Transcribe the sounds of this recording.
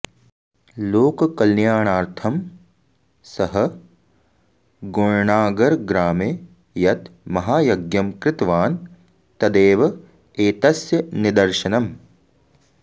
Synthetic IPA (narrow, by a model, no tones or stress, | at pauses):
loːkɐkɐlnjaːɳaːɾt̪ʰɐm | sɐɦɐ | ɡoɻɳaːɡɐɾɡɾaːme | jɐt̪mɐɦaːjɐɡjɐmkɾɪt̪ʋaːn | t̪ɐd̪eːʋɐ | eːt̪ɐsjɐnid̪ɐɾʃɐnɐm